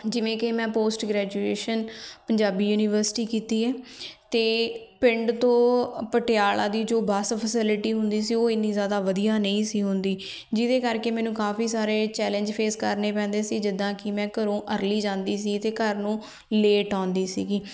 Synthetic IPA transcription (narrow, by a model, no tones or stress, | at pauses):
d͡ʒɪʋẽːkeːmɛ̃ːpoːsʈɡɾɛːd͡ʒueːʃənpəɲd͡ʒaːbiːjuːnɪʋəɾsʈiːkiːt̪iːɛːt̪eːpɪ̃ɳɖt̪õːpəʈɪjaːlãːd̪iːd͡ʒoːbaːspʰəsɪlʈiːɦʊnd̪iːsiːoːɪniːzjaːd̪aːʋəd̪ijaːnəĩːsiːɦʊnd̪iː | d͡ʒɪd̪eːkəɾkeːmɛːnũːkaːfiːsaːɾeːt͡ʃɛːlə̃ɲd͡ʒpʰeːskəɾneːpɛ̃ːnd̪eːsiːd͡ʒɪd̪ãːkɪmɛ̃ːkəɾõːʔəɾliːd͡ʒãːnd̪iːs̬iːt̪eːkəɾnũː | leːʈãːnd̪iːsḭːɡiː